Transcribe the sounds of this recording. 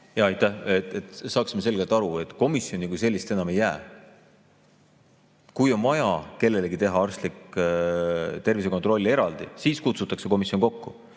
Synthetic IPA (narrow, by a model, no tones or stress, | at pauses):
jɑɑjt̪ːˑæhet̪ːˑet̪sɑːksimes̬e̞lɡ̥elt̪ˑɑɾue̞t̪ˑko̞misjo̞nikujs̬e̞lːist̪e̞nɑme̞jːæː | kujo̞nvɑjɑke̞lːe̞leɡit̪e̞ɦɑɑrst̪lik | t̪e̞rvis̬e̞kot̪ro̞lʲːie̞ɾɑld̪̥ḭsiːskut̪sut̪ːˑɑkse̞ko̞misjoŋko̞kːu